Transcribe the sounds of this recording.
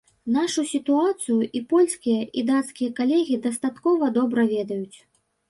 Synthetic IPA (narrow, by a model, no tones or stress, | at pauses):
n̪aʂusʲit̪uat̪sɨjuʔipɔlʲskʲijɐʔid̪at̪skʲijɐkalʲɛɣʲid̪ɐst̪at̪kɔvɐd̪ɔbɾɐvʲɛd̪ɐjut͡sʲ